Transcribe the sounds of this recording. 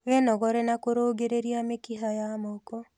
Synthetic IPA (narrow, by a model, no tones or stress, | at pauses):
wɛnɔɣɔɾɛnakoɾoːɡeɾeɾiamekiɦajamɔkɔ